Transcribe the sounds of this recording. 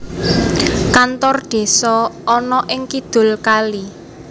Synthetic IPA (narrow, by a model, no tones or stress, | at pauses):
kant̪ɔrɖ̪̥e̤sɔɔnɔʔɪŋkid̪̥ʊ̤lkali